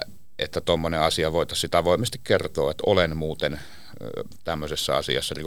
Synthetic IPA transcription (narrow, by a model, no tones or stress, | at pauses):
ʔḛt̪ːæt̪omːoneɑsiɑʋoˑet̪ɑsit̪ɑʋoˑemest̪ikkert̪oːet̪olenmuːt̪en | t̪æmːøsesːɑ̰ɑ̰sḭɑ̰sːɑri